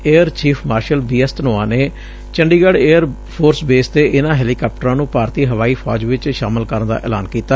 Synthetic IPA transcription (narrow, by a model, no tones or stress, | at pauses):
eːəɾt͡ʃiːpʰmaːɾʃəlbiːɛst̪ənoːãːneː | t͡ʃəɳɖiːɡəɽeːəɾ | pʰoːɾsbeːst̪eːʔɪnãːɦɛːliːkɔːp̚ʈəɾãːnũːpaːɾt̪iːɦəʋaːiːpʰɔ̰ːd͡ʒʋɪt͡ʃʃaːməlkəɾənd̪a̰ːʔɛ̰ːlaːnkiːt̪a